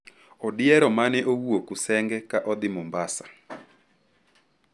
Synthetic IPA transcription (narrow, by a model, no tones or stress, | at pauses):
ɔdɪɛɾɔmanɛʔowuokusɛŋɡɛkaʔɔd̪ɪmɔmbasḁ